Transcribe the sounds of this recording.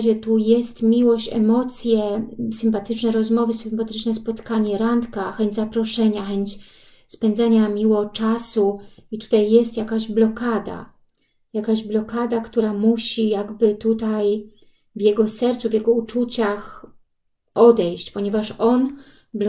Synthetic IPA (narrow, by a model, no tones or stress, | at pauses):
ʑɛt̪ujɛst̪mʲiwɔɕt͡ɕɛ̰mɔt̪sʲjɛsɘmpat̪ɘt͡ʂnɛɾɔzmɔvɘsɘmpat̪ɘt͡ʂnɛspɔt̪kaɲɛɾant̪kaxɛɲd͡ʑʲzapɾɔʂɛɲaxɛɲt͡ɕ | spɛnd̪zaɲamʲiwɔt͡ʂasuit̪u̥t̪ajːɛst̪jakaʑblɔkad̪a̰ | jakaʑblɔkad̪akt̪uɾamuɕijaɡbɘt̪ut̪aj | vjɛɡɔsɛɾt̪suvʲjɛɡɔut͡ʂut͡ɕax | ɔd̪ɛjɕt͡ɕpɔɲɛvaʂɔn | bl